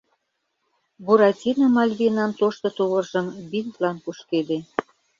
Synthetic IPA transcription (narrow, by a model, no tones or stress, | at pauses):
buɾɑtʲinɑmɑlʲβinɑnt̪oʃt̪ɤ̆t̪uɣə̆rʒə̆mbint̪lɑnpuʃked̪e